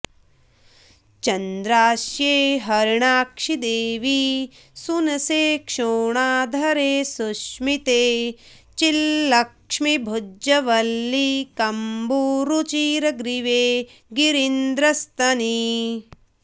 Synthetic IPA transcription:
t͡ʃɐnd̪ɾaːʃjeːɦɐɾɳaːkʂid̪eːʋi | sunɐseːkʂoːɳaːd̪ʱɐɾeːsuʃmit̪eː | t͡ʃilːɐkʂmibʱud͡ʒɐʋɐlːikɐmbuːɾut͡ʃiːɾɐɡɾiʋeːɡiɾind̪ɾɐst̪ɐni

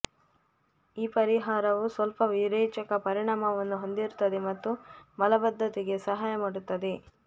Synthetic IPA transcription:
iːpɐɾiɦaːɾɐʋusʋɐlpɐʋiɾeːt͡ʃɐkɐpɐɾiɳaːmɐʋɐnːuɦond̪iɾut̪ːɐd̪e̞mɐt̪ːumɐlɐbɐd̪ʱːɐt̪iɡe̞sɐɦaːjɐmaːɽut̪ːɐd̪e̞

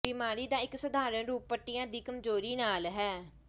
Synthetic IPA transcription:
bɪmaːɾiːd̪ãːɪksəd̪aːɾəɳɾuːpːəʈːɪjãːd̪iːkəmzoːɾiːnaːlɦɛː

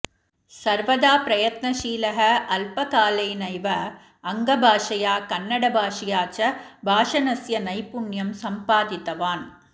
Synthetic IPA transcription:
sɐɾʋɐðaːpɾɐjɐt̪nɐʃiːlɐɦɐɐlpɐkaːlɐɪnɐɪʋɐ | ɐŋɡɐbʱaːʂɐjaːkɐnːɐɽɐbʱaːʂɪjaːt͡ʃɐbʱaːʂɐnɐsjɐnɐɪpʊɳjɐmsɐmpaːd̪ɪt̪ɐʋaːn

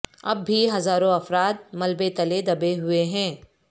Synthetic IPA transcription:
ɐ̰bːiɦɐzaːɾõɐfɾaːt̪̚mɐlbet̪ɐled̪ɐbeɦʊeɦɛ̃ː

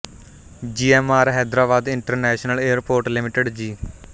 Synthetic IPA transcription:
d͡ʒiːɛːmaːɾɦɛːd̪ɾaːbaːd̪ɪɳʈəɾnɛːʃnəleːəɾpoːɾʈlɪmɪʈəɖd͡ʒiː

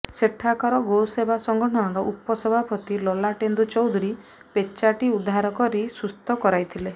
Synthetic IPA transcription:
seʈʰakɔɾɔɡosebʱasɔŋɡɔʈʰɔnɔɾɔʔupɔsɔbʱapɔt̪ilɔlaʈend̪ut͡ʃɔwd̪ʱuɾi | pet͡ʃaʈiud̪ʱaɾɔkɔɾisust̪ɔkɔɾajt̪ʰile

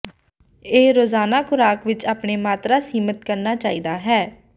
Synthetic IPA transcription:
eːɾoːzaːnaːkʰʊɾaːkʋɪt͡ʃaːpɳeːmaːt̪ɾaːsiːmət̪kəɾnaːt͡ʃaːiːd̪aːɦɛː

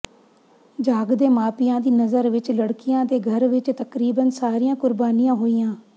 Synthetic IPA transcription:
d͡ʒaːɡd̪eːmaːpɪjãːd̪iːnəzəɾʋɪt͡ʃləɽkijãːd̪eːɡʱəɾʋɪt͡ʃt̪əkɾiːbənsaːɾijãːkʊɾbaːnijãːɦoːijãː

